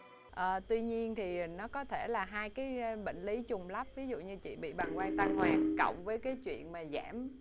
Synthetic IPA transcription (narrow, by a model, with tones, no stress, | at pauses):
ʔəː˨˩t̪wi˧ɲi˧ənt̪ʰi˨˩˨nɔ˨˦kɔ˨˦t̪ʰe˧˩laː˨˩ɦaː˧jkaː˨˦jɓḛ˧˨ŋ̟li˨˦t͡ɕʊ˨˩ŋ͡mlə˦˥p̚vi˨˦zṵ˧˨ɲɨ˧t͡ɕḭ˧˨ɓḭ˧˨ɓa˨˩ŋwa˧jt̪a˧ŋhwaː˨˩tkə̰˧˨wŋ͡mvəː˨˦jkaː˨˦jt͡ɕwḭ˧˨ənmaː˨˩zaː˧˩m